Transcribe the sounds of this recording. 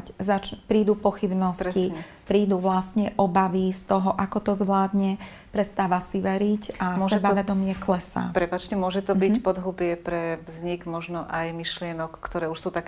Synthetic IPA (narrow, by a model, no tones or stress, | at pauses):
czat͡ʃpɾiːd̪upɔxibnɔsci | pɾiːd̪uʋlasɲɛʔɔbaʋist̪ɔɦɔʔakɔt̪ɔzʋlaːd̪ɲɛ | pɾɛst̪aːʋasiʋɛɾicamɾɛbaʋɛd̪ɔmɪɛklɛsa̰ːpɾɛpat͡ʃcɛmʊɔʒɛt̪ɔbicpɔd̪ɦubɪɛpɾɛʋzɲiɡmɔʒnɔʔajmiʃlɪɛnɔkːt̪ɔɾɛːuʃsuːt̪ak